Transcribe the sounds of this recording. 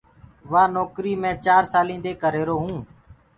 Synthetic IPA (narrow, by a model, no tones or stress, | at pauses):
ʋaːnɔːkɾiːmẽːt͡ʃaːɾsaːlĩːnd̪eːkəɾeːɾoːɦũː